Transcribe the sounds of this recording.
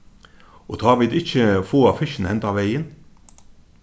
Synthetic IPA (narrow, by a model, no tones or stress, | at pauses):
ʔot̪ʰɑːʋɪd̪ɪçəfoːɑfɪʃn̩hɛnt̪ɑːʋæɪən